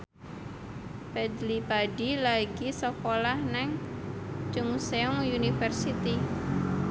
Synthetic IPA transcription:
pɛd̪lipaɖilaɡisokolahnɛŋ | t͡ʃʊŋseɔŋunifɛrsit̪i

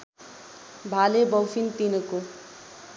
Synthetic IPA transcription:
bʱalebʌwfʰint̪inʌko

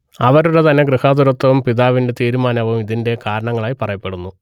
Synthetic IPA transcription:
ɐʋɐɾuɽet̪ɐnːe̞ɡrihaːd̪uɾɐt̪ːɐʋumpiðaːʋinde̞t̪iːɾumaːnɐʋumiðinde̞kaːɾɐɳɐŋːɐɭaːjipɐrɐjɐpːe̞ɽunːu

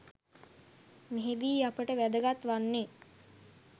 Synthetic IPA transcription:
meɦed̪iːapəʈəʋæd̪əɡat̪ʋanːe

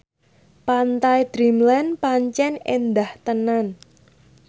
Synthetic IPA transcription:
pant̪ajd̪̥ɾimlanpaɲt͡ʃɛnend̪aht̪ənan

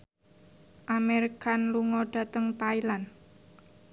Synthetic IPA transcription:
ʔamɛɾikanluŋɔɖ̥a̤t̪əŋt̪ailan

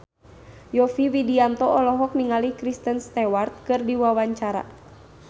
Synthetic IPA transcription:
jɔfiwidiant̪ɔɔlɔɦɔk̚niŋalihkɾist̪ənst̪ɛwart̪̚kɨrdiwawaɲt͡ʃaɾa̰

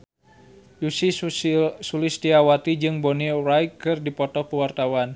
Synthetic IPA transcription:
jusi | sulɪsdiawat̪id͡ʒɨŋbonirajkɨrdipɔt̪ɔkuwart̪awan

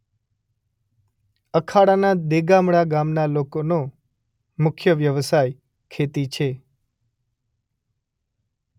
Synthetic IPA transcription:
əkʰaɽanad̪eɡamɽaɡamnalokono | mʊkʰjəʋjəʋsaj | kʰet̪it͡ʃʰe

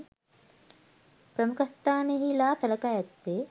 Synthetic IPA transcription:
pɾɐmukʰɐst̪ʰaːneɦilaːt̪ɐlɐkaːjɐt̪ːe

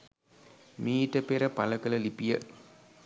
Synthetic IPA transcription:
miːʈəpeɾəpaləkələlipijə

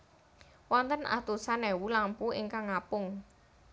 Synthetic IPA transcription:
wɔnt̪ənʔa̰t̪usanɛwulampuɪŋkaŋapʊŋ

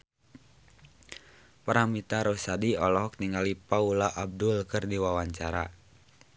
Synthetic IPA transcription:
paɾamit̪aɾɔsadiɔlɔɦɔk̚t̪iŋɡalipaulaʔab̚dulkɨrdiwawaɲt͡ʃaɾa

